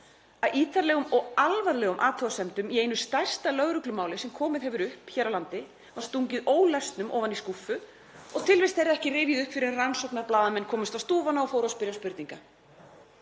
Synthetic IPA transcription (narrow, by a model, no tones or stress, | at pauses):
aðiːt̪aɾlɛːɣʏmɔɣalvaɾlɛːɣʏmʔaːt̪ʰuasɛmt̪ʏmieːjnʏst̪ajr̥st̪alœɣɾʏklʏmaːwlɪsɛmkʰɔːmɪðhɛvʏɾʏhpçɛːɾawlant̪ɪ | vaɾ̥st̪uɲcɪðoːwlɛst̪nʏmʔɔ̰ːvaniskufʏ | ɔɣt̪ʰɪlvɪst̪θejɾaɛhcɪrɪːvjɪðʏhpfɪɾɪɾransɔwknaɾplaːðamɛnːkʰɔːmʏst̪ast̪uːvanːaɔfoːwɾaspɪɾjaspʏɾt̪niŋka